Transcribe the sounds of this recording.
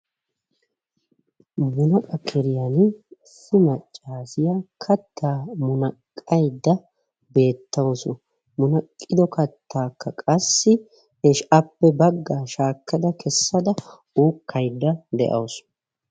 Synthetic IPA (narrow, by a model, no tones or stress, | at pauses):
mʊnɐkʼɐkʰɛɾɪjɐn | sɪmɐt͡ʃʼːaːsɪjakʰɐt̪ʰːaːmʊnɐkʼːɐjd̪ːɐ | be̞ːt̪ːɐwsʊ | mʊnɐkʼːɪd̪ɔkɐt̪ʰːaːkːɐkʼɐsːɪ | ɛʃɐpːɛbɐɡːaːʃaːkːɐd̪ɐkʰɛsːɐd̪ɐ | uːkʰːɐjd̪ːɐd̪ɛ̰ʔɐ̰wsʊ̥